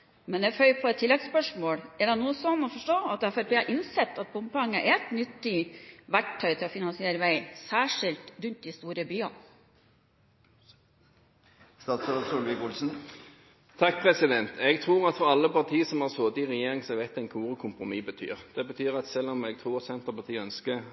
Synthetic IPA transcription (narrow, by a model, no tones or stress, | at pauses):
mɛnɛfœʏpʰɔɛt̪ʰːɪlːɛɡspœʂmoːɽɛɖɛnuːəsɔnːɔfɔʂʈoːɑt̪æfæɾpʰeːʔɪnsɛt̪ːɑt̪̚bʊmpɑŋːəʔɛɛt̪nʏt̪ːiʋæʈʰːœʏt̪ʰɪlɔfɪnɑnsɪeːɾəʋæɪsæːʂɪlt̪ɾʉnt̪̚d̪ɪst̪uːɾəbyːɑ | st̪ɑːt̪sɛləsulʋɪkʊlsn̩ | t̪ʰɑk̚ːpʰʁɛsɪd̪ɛnt̪ʰɛɡt̪ʰʁuːʁɑt̪fɔɾɑlːəpɑʁt̪ʰiːəsɔmhɑʁsoːd̪ɪʁɛjeːʁɪŋsɛʋɛt̪æɪnkʰuːʁəkʰʊmpɾʊmiːbət̪ʰy̰ːʁd̪̥ɛbət̪ʰyːʁɑt̪sɛlːɔmɛɡ̚t̪ʰʁuːʁt̪sɛnt̪əpɑʁt̪iːəœnskə